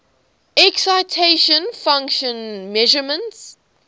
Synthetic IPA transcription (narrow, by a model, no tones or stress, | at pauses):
ɛksaɪtʰeʃə̃nfãŋkʃə̃nmɛʒəmə̃nts